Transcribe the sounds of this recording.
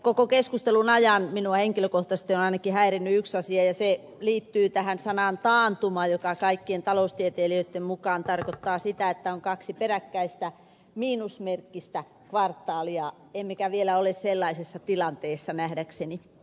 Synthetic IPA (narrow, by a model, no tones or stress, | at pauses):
kokokeskust̪elunɑjɑnminuɑheŋkiløkoht̪ɑst̪ionɑinɑkihæirinːyyksɑsiɑjɑse | liːt̪ːyːt̪æhænsɑnɑnt̪ɑːnt̪umɑjokɑkɑikːient̪ɑloust̪iet̪eːliøˑt̪ːemmukɑːnt̪ɑrkot̪ːɑːsit̪æet̪ːæoŋkɑksiperækːæist̪æ | miːnusmerkːist̪æ | kʋɑrt̪ːˑɑːliɑ | emːekæʋielæolesselːɑisesːɑt̪ilɑnt̪eːsːɑnæhdækseni